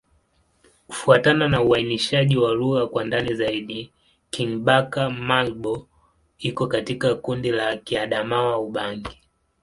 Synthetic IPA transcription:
ku̥fuatananauainiʃaʄiwaluɣakwandanizaiɗi | kiŋɓakamalɓɔ | ikɔkatikakundilakiaɗamawauɓaŋɡi

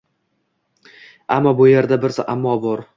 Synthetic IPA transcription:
amːɒbʊje̞ɾd̪abɪɾsaʔamːɒbɒɾ

